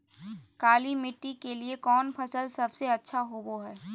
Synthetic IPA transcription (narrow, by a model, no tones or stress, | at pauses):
kaːlimɪʈːikeliekɔːnpʰɐsəlsɐbseɐtːʃʰaɦoboɦɛː